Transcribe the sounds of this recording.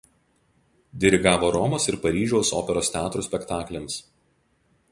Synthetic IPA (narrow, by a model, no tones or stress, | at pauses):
d̪ʲɛɾʲɪɡɑːʋoːɾɔmosɪɾpɐɾʲiːʒʲɛʊso̰ːpʲɛɾoːst̪ʲɛɑːt̪ɾuːsʲpʲɛkt̪ɑːklʲɛms